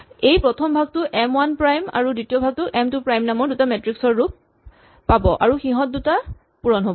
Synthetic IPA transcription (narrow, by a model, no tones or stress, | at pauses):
ejpɹɔtʰɔmbʱaɡ̚tʊʔɛmwanpɹajma̰ɹuditijɔbʱaɡ̚tʊʔɛmtupɹajmnamɔɹdutamɛtɹiksɔɹːup̚ː | abɔʔa̰ɹuxiɦɔt̚duta | puɹɔnɦobɔ